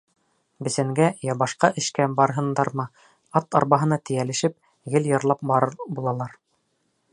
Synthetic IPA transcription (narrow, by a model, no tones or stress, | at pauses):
bɘ̆sæŋɡæjɑbɑʃqɑʔɘ̆ʃkæbɑɾɤɦɤ̆nd̪ɑɾmɤ | ɑt̪ɑ̰ɾbɑɦɤ̆nɑt̪ɘ̆jælɘ̆ʃɘp̚ | ɡɘljɑɾlˠɑp̚bɑɾɤbulˠɑlˠɑɾ